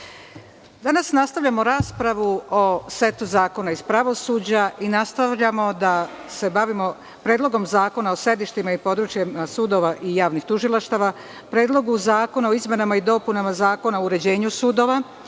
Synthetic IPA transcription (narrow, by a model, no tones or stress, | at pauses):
d̪anasnast̪aʋʎamo̞ɾaːspɾaʋuose̞t̪uzaːko̞naispɾaʋo̞suːd͡ʑaʔinast̪aʋʎamo̞d̪a | se̞baʋimo̞ | pɾeːd̪lˠo̞ɡo̞mzaːko̞nao̞se̞d̪iʃt̪imaipo̞d̪ɾut͡ʃjamasuːd̪o̞ʋaʔijaːʋnixt̪uʒilˠaʃt̪aʋa | pɾe̞ːd̪lˠo̞ɡuzaːko̞nao̞izme̞namaid̪o̞punamazaːko̞naouɾe̞d͡ʑe̞ːɲusuːd̪o̞ːʋa